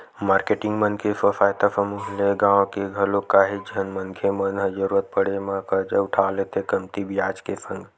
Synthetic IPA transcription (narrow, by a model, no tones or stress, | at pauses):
maːɾkeʈɪ̃ŋɡmənkesəfaːjt̪asəmuɦleɡãwkeɡʱəlokaːɦid͡ʒʱənmənkʰemənɦəd͡ʒəɾuɾət̪̚pəɽemãkəd͡ʒaʊʈʰalet̪ʰekəmt̪ibijaːt͡ʃkesə̃ŋɡ